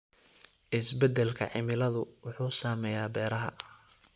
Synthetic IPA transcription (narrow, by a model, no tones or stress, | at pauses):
ʔɪsbɛd̪ɛlkʰɐ̰ʕɪmɪlɐðʊwʊħuːsaːmɛjaːbɛːɾɐɦɐ̰